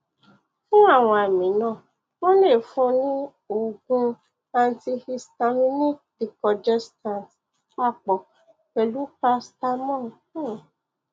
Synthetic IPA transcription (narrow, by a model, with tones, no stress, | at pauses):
fũ˦a˦˨w̃ɔ̃˧a˨mĩ˨˦nãː˦˨ | wɔ̃˦le˦˨fũ˧˦nĩ˦ | o˨ɡũ˧ | a˧n˨˦ti˧hi˧sta˧mĩ˦nĩ˦di˧kɔ˨d͡ʒɛ˦stã˨nt | k͡pa˦˨k͡pɔ˨ | kɛ˨lu˦pa˧˦sta˦mɔ̃˦˨˦